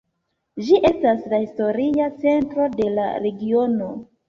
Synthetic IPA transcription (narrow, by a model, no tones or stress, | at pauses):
d͡ʒiʔe̞staslahisto̞ɾiat͡se̞ntɾo̞de̞la̰ɾe̞ɡio̞no̞